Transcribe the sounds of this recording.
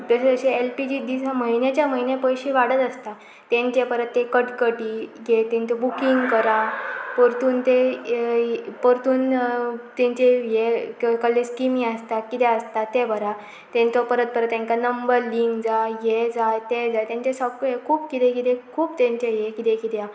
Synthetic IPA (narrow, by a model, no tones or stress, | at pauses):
d̪əsəɕeelpid͡ʑiːd̪isaməɦinjat͡ɕjaməɦinjepəjɕiːʋaɽ̤ət̪əst̪a | t̪jẽɲt͡ɕepəɾət̪ːekəʈkəʈiːɡet̪ɛɲt͡sɔbukiŋɡkəɾapəɾt̪uːnt̪e | pəɾt̪uːnt̪ẽɲt͡ɕejekkəlːeskimĩəst̪akit̪ɛəst̪at̪ebʱəɾa | t̪ẽnt͡sɔpəɾət̪̚pəɾət̪ːjãŋkanəmbəɾliŋɡd͡zajed͡zajt̪ed͡zajt̪jãɲt͡ɕesəkekʰuːb̚kit̪ẽkit̪ekʰuːbt̪ẽɲt͡ɕejekit̪ekit̪ja